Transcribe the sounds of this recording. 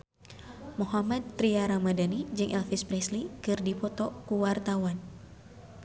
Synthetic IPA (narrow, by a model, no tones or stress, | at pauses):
muɦamad̪̚t̪ɾiaɾamadanid͡ʒɨŋʔɛlfispɾɛslikɨrdipɔt̪ɔkuwart̪awan